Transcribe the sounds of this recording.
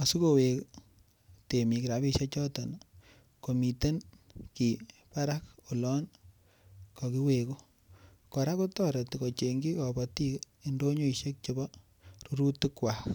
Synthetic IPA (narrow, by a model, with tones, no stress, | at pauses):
a˨su˦ko˨we˨k | te˨mi˨ki˨ɾa˨bi˦ʃe˦t͡ʃɔ˦tɔ˨n | ko˨mi˨te˦n | ki˨pa˦ɾa˦ko˨lɔ˦n | kɔ˨ki˦we˨ko˦ | kɔ˨ɾa˦ko˦tɔ˦ɾe˨tikɔ˨t͡ʃe˨ŋɡi˦kɔ˨bɔ˨ti˦k | i˦ndo˦ɲo˦i˨ʃe˦k̚t͡ʃo˦bɔ˦ | ɾu˦ɾu˦tɪ˦kwa˨k